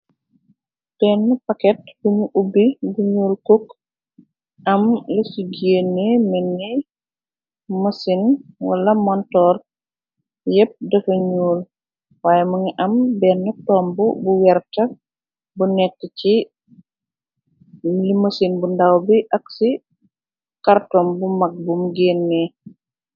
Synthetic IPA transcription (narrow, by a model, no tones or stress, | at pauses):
b̥ɛːnːupɐkɛthumuʔubːibuɲuːlkok | ɐmlisuɡenːemɛnːi | mɐsinwɐ̰lɐmɔntɔːr | jɛp̚dɐfɐɲuːl | waːjɛmuŋiʔɐmbɛnːɐtɔːmbubuwɛɾtɐ | bunɛkːət͡ʃi | limɐsinbundawbiʔɐksi | kartɔːmbumɐk̚bumɡenːeː